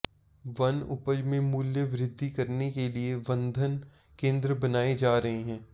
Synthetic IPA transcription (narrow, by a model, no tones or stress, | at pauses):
ʋɐnʊpəɾmẽmuːljəʋɪɾɪd̪ʱːikɐɾnekelieʋɐ̃nd̪ʱən | kẽːnd̪ɾəbɐnaːed͡ʒaːɾɐɦeɦɛ̃ː